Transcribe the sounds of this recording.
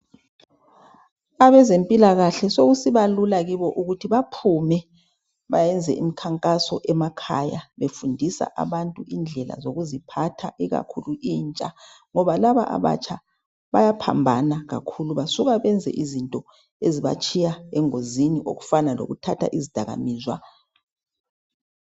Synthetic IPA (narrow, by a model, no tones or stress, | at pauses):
aβɛzempʼilaɣaɬɛsoɣusiβalulaɣiβɔʔuɣutʰiβapʰumɛ | βajɛnd͡zʱɛʔimikʰaŋkʼasɔʔɛmakʰajaβefundʱisa̰ʔa̰βantʼuʔind͡ɮʱɛla̰zoɣuzipʰatʰaʔiɣa̰kʰuluiːnt͡ʃʼa | ŋɔβalaβa̰ʔa̰βa̰t͡ʃʰa | βajapʰa̰mbʱanaɣa̰kʰuluβasuɣaβɛnd͡zʱɛ̰ʔizintʼɔ | eziβa̰t͡ʃʼʰijaɛŋoziniʔo̰ɣu̥fanalo̰ɣutʰatʰa̰ʔizid̥ʱaɣa̰miːzwa